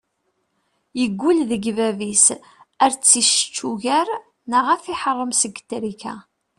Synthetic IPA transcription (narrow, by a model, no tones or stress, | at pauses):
jəɡʷːulðəɡvævis | æɾt͡sːiʃə̥t͡ʃːuʝæɾ | nəʁæfiħərˤːəmsəɡət̪ːɾikæ